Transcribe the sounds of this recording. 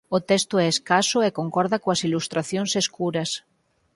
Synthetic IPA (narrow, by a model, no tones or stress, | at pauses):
ot̪est̪oɛeskasoekoŋkɔɾðakoasilust̪ɾaθjonseskuɾas